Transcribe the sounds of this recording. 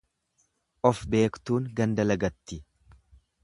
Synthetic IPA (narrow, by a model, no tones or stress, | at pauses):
ʔɔfbe̞ːkt̪uːŋɡɐnd̪ɐlɐɡɐt̪ːɪ